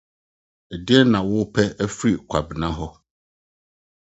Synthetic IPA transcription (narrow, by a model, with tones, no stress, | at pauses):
ɛ˨dɪ˦ɛ˦nã˨wʊ˦pʰɛ˦æ˦fɾi˨kʷʰa˨bɪ˨nã˦ɦɔ˦